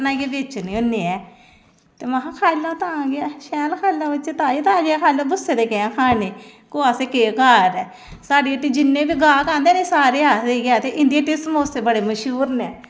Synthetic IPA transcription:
naːɡeːbeːt͡ʃːniːʊnːeːɛː | t̪eːmaɦãkʰaːlːãːt̪ãːɡɪaːʃɛːlkʰaːlãːbɪt͡ʃet̪aːd͡ʒiːt̪ãːɡeːkʰaːlabʊsːeːd̪eːkeãːkʰaːneːkoːaːseːkeːkaːɾɛː | saːɖiːəʈːiːd͡ʒɪnːẽːbiːɡaːkãːnd̪eːnẽːsaːɾeːaːd̪eːɡɪaːt̪eːʔɪnd̪ieːʈesmoːseːbəɽeːməʃuːɾnɛː

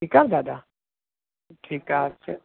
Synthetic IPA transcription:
ikaɾd̪ad̪a | ʈʰikaɾt͡ʃʰɛ

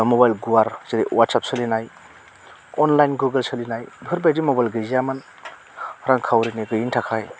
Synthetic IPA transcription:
mobajlɡuwaɾz̥iɾiwat̚sap̚sɯlinaj | ɔnlajnɡuɡəlsɯlinajbʱɯɾbajdimobajlɡɯziamɯn | hɾaŋkʰawɾineɡɯjintʰakʰaj

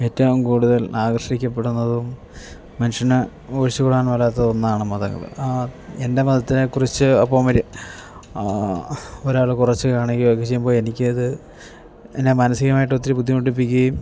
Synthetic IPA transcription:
e̞ːtːɐʋumkuːɽuðɐlaːɡrʂikʲːɐp̬ːe̞ɽunːɐðuumː | ɐniʂɐnɨ | oːɻɕikoɽaːnʋɐlaːt̪ːɐðonːaːɳɨmɐðɐ̰ŋɡɐ̰ðɨ̰e̞nde̞mɐðɐt̪ːinekurit͡ɕːɨɐpːoːmɐɾ | oɾaːɭɨkurɐt͡ɕːɨkaːɳeŋɡilɐkːet͡ɕe̞jːumboːɭe̞nikʲːɨɐðɨ | enːemɐnɐsiɣɐmaːjiʈːot̪ːiɾbud̪ʱːjimoʈːip̬ːikʲːuɐjum

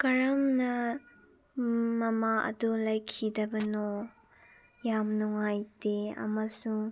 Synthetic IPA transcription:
kɐɾɐmnɐ | mɐmaʔɐ̰dulɐjkʰidɐbɐno | jamnuŋajdeɐ̰mɐsuŋ

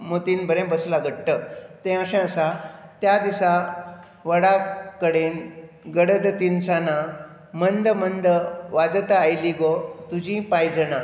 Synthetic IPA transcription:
mot̪inbəɾẽbəslaɡʱəɽʈət̪ẽəsɛ̃əsat̪jad̪isa | ʋəɽakəɽen | ɡəɽəd̪t̪insana | mənd̪əmənd̪əʋad͡zət̪aajliɡot̪ud͡ʑĩpajd͡zəna

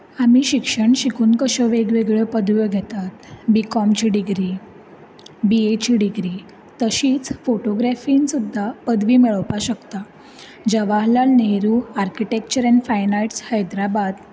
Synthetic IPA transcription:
amiɕikʂəɳɕikuːnkəɕəʋeɡʋeɡɭəpəd̪ʋjəɡʱet̪at̪bikɔmt͡ɕiɖiɡɾi | biet͡ɕiɖiɡɾi | t̪əɕiːt͡sfoʈoɡɾɛfinsud̪ʱːapəd̪ʋiːmiɭəʋpaɕəkt̪a | d͡ʑəʋaɦlalneɾuaɾkiʈek̚t͡ɕəɾɛnfajnajʈshajd̪ɾabad̪

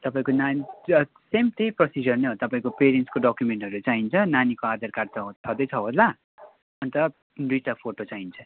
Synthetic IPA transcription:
t̪ʌpaĩkonan | semt̪ejprʌsid͡zʌrneɦot̪ʌpaĩkopeɾenskoɖʌkjumeɳʈɦʌɾut͡saint͡sʰʌnanikoad̪ʌrkart͡sʰʌt͡sʰʌd̪ʌjt͡sʰʌɦola | ʌnt̪ʌ | d̪ujʈapʰoʈot͡saint͡sʰʌ

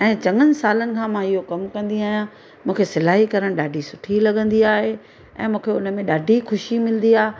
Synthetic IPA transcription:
ɛ̃ːt͡ɕɐ̃ŋənɪ̆saːlənɪ̆kʰãːmãɪɦokɐmkɐ̃nd̪iaːɦijã | mũːkʰesɪlaːɦikɐɾəɽ̃ɗaːɖʱisʊʈʰilɐɠə̃nd̪iaːɦe | ɛ̰̃ːmũːkʰeʊnə̆mẽɗaːɖʱixʊʃimɪlə̃nd̪iaːɦe

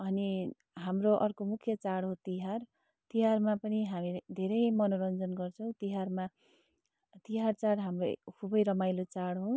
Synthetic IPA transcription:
ʌni | ɦamroʔʌrkomukʰjʌt͡saɽɦot̪iɦar | t̪iɦarmapʌniɦamid̪ʱeɾʌjmʌnoɾʌnd͡zʌnɡʌrt͡sʰʌw̃t̪iɦarma | t̪iɦart͡saɽɦamro̰kʰubʌjɾʌmajlot͡saɽɦo

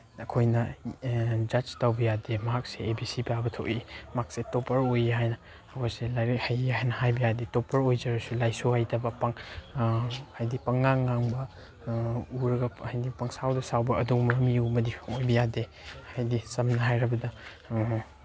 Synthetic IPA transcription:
ɐkʰojnɐ | d͡ʒɐd͡ʒtawbɐjademɐɦak̚seːbisipabɐtʰo̰wʔimak̚setopʰɐɾojɦajnɐː | kʰojselajɾekhajɦajnɐhajbɐjadetopɐɾojd͡ʒɐɾɐsulajsohajdɐbɐpaŋ | hajdipɐŋːaŋːaŋbɐ | uɾɐɡɐhajdipɐŋsawdɐsawbɐʔɐdumɐɾmiuɐmɐdipʰŋojbɐjade | hajdisɐmnɐɦajɾɐbɐdɐ

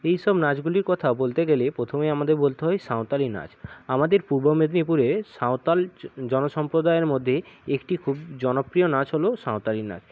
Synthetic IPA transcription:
ejʃɔbnad͡ʑɡuliɾkɔt̪ʰabolt̪eɡelepɾot̪ʰomeamad̪eɾbolt̪eɦɔjsaw̃t̪alina̰d͡ʑamad̪eɾpuɾbomed̪nipuɾesawt̪ald͡ʑɔnoʃɔmpɾod̪aeɾmod̪ʱːeekʈikʰubd͡ʑɔnopɾijonad͡ʑɦolosaw̃t̪alina̰d͡ʑ

